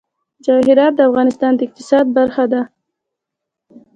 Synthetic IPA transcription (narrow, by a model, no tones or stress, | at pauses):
d͡ʒɑɦɪɾɑt̪̚d̪əafɣɑnɪst̪ɑnd̪əɪq̚t̪ɪsɑd̪̚baɾxad̪a